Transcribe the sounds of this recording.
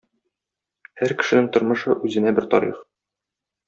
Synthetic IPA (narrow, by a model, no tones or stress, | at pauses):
hæɾkɘ̥̆ʃɘ̆nɘŋt̪ŏɾmɤ̆ʃɤʔʉzɘ̆næbɘɾt̪ɒɾḭχ